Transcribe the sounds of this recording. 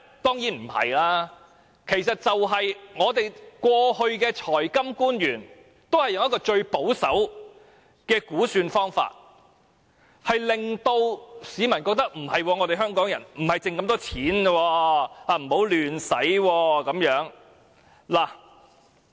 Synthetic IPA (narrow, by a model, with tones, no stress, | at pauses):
t̪ɔː˥ŋjiː˨˥nm̩˨˩hɐ̰˨jlaː˥ | kʰe˨˩jsɐ˨t̚t͡sɐ˨wɦɐ˨jŋɔː˨˧t̪e˨jkwɔː˧hɵ˧ɥkɛː˧t͡ʃʰɔː˨˩jkɐ˥mkuː˥njyː˨˩n | t̪o˥whɐ˨jʊ˨ŋɐ˥kɔː˧t͡ʃɵ˧ɥpo˨˥wsɐ̰˨˥w | kɛː˧kuː˨˥syː˧nfɔː˥ŋfa̰ː˧t̚ | hɐ˨jlɪ˨ŋt̪o˧wsiː˨˧˥mɐ˨˩nkɔː˧k̚t̪ɐ˥k̚m̩˨˩hɐ˨jwɔː˧ŋɔː˨˧t̪e˨ɦœː˥ŋkɔː˨˥ŋjɐ˨˩nm̩˨˩hɐ˨jt͡sɪ˨ŋkɐ˧mt̪ɔː˥t͡sʰiː˨˥n˧wɔː˧aː˧m̩˨˩ho˨˥wlyː˨nsɐ˨˥jwɔː˧kɐ˨˥mjœː˨˥ŋ | laː˨˩